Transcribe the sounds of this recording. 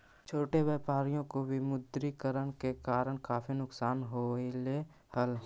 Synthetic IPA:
t͡ʃʰoːʈeʋaːpaːɾijõkobʱimʊd̪ɾikəɾəɳkekaːɾəɳkaːpʰinʊksaːnɦoile | həl

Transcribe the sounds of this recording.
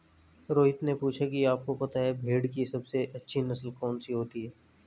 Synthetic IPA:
ɾoːɦɪt̪nepuːt͡ʃʰakiaːp̚kopɐt̪aɦɛbʱeːɽkisɐbseʔɐtːʃʰinɐsəlkɔːnsiɦoːt̪iɦɛː

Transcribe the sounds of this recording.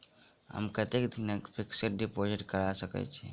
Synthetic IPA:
ɦə̰mkət̪ekd̪ʱinəkpʰikseʈ̚ɖipod͡ʒɪʈkəɾasəkɛ̰t͡ʃʰɛ̰

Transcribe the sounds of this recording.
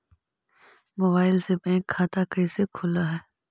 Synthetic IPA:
moːbaːɪlsebɛ̃ːkʰːaːt̪akɐisekʰʊlaɦɛː

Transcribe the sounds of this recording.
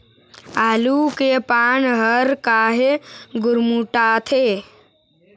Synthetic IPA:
aːlukepaːnɦəɾkaːɦeɡʊɾmuʈaːt̪ʰeː

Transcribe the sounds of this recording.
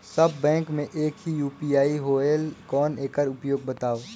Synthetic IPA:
sɐbːɛ̃ːŋkmẽʔeːkɦijuːpiaːiɦoːelkɔːneːkəɾʊpjoːɡ̚bɐt̪aːo

